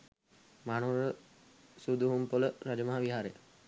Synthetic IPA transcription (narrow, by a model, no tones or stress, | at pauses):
manoɾə | sud̪uɦumpoləɾad͡ʒəmaɦaʋiɦaːɾejə